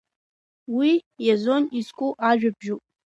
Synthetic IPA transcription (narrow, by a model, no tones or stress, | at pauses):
wijazo̞nizkʷʼuʔaʒᶣabʒupʼ